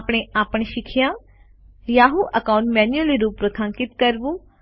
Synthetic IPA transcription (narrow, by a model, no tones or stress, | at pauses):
pɳ̃ẽʔaːpəɳ̃eʃɪkʰijãː | jaːɦuʔəkãːʊ̃ɳʈmɛːnjuəliɾuːpɾət̪ʰãŋkɪt̪kəɾbũː